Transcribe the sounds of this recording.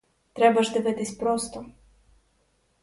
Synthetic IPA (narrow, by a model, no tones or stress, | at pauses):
t̪ɾɛbaʃd̪əvɛt̪isʲpɾost̪ɔ